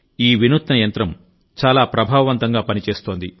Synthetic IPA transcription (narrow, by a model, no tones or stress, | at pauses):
iːʋinut̪nɐjɐnt̪ɾɐm | t͡ʃaːlaːpɾɐbʱaːʋɐʋɐnt̪ɐŋɡaːpɐnit͡ʃe̞ːst̪o̞ːnd̪i